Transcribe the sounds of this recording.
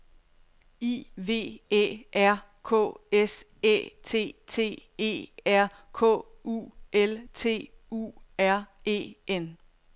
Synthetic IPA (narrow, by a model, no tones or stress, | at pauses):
iːʋe̝̰ːḛːʔæɐ̰ | kʰɔ̰ːes | ḛːt͡sʰe̝̰ːt͡sʰe̝̰ːe̝̰ːæɐ̰ | kʰɔ̰ː | ṵːʔelt͡sʰe̝̰ːṵːæɐe̝̰ːen